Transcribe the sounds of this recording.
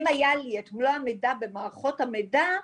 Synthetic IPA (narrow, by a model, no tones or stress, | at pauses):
majaliatmulaamejdabe̞maːʁχo̞thamejda